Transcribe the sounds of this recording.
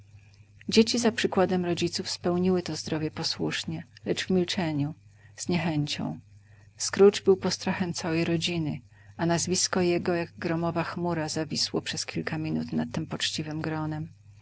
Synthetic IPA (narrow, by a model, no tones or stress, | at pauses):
d͡ʑet͡ɕizapʂɘkwad̪ɛmɾɔd͡ʑit̪sufspɛwɲiwɘt̪ɔzd̪ɾɔvʲjɛpɔswuʂɲɛlɛd͡ʐvmʲilt͡ʂɛɲuz̥ɲɛxɛɲt͡ɕɔ̰̃w̃ | skɾud͡ʐbɘwpɔst̪ɾaxɛmt̪sawɛjɾɔd͡ʑinɘ | anazvʲiskɔjɛɡɔjaɡɡɾɔmɔvaxmuɾazavʲiswɔpʂɛskʲilkʰamʲinṵt̪nat̪ːɘmpɔt͡ʂt͡ɕivɘmɡɾɔnɛm